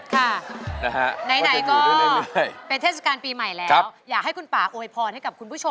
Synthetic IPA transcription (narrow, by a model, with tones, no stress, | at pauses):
kʰa˥˩n˧ɦa˦˥ʔna˧˦jna˨˩˦jkɔː˥˩˧jpe˧nt̪ʰeː˥˩t̚sa˧kaː˧npiː˧ma˨˩jlɛː˦˧a˦˥wjaː˨˩k̚ha˥˩jku˧npaː˨˩ʔoː˧jpʰɔː˧nha˥˩jka˨˩p̚kʰu˧npʰu˥˩o˧